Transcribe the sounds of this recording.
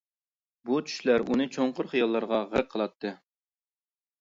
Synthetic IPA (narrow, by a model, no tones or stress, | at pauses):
but͡ʃʰy̥ʃlæɾunɨt͡ʃʰoɴqʊɾχijɑlˠːɑɾʁɑʁəɾqʰəlˠɑt̪ʰːɨ